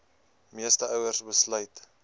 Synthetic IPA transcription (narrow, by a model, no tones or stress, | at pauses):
miəstəœwərsbəslœjt